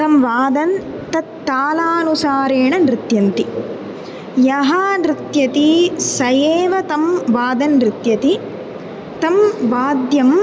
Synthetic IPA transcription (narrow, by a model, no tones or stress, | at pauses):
ɐmʋaːd̪ɐn | t̪ɐt̪ːaːlaːnusaːɾeːɳɐnɾɪt̪jɐnt̪i | jɐɦaːnɾɪt̪jɐt̪isɐjeːʋɐt̪ɐmʋaːd̪ɐnɾɪt̪jɐt̪i | t̪ɐmʋaːd̪jɐm